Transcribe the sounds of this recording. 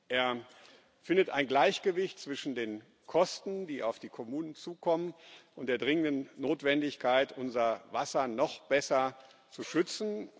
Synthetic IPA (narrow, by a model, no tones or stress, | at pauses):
ʔeːɐ | fɪndətaɪnɡlaɪçɡ̥əvɪçtt͡sv̥ɪʃn̩deːn | kʰɔstn̩diːʔaʊfd̥iːkʰɔmuːnənt͡suːkʰɔmənʔʊnt̚d̥eːɐdʁɪŋəndənːoːtv̥ɛndɪçkʰaɪtʔʊnzɐvasɐnɔχb̥ɛsɐ | t͡suʃʏt͡sn̩